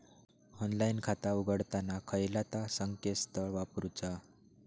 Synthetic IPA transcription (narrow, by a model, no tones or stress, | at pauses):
ɔnlainkʰat̪auɡəɽt̪anakʰəjlat̪asəŋkest̪ʰəɭʋapɾut͡sa